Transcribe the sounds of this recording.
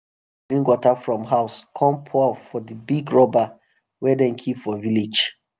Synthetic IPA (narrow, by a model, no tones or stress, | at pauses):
ɹĩnɡwɔtafɹɔ̃mɦaʊskʰɔ̃mpʰɔfɔdibiɡɹɔba | wɛdɛ̃nkʰipfɔvilid͡ʒ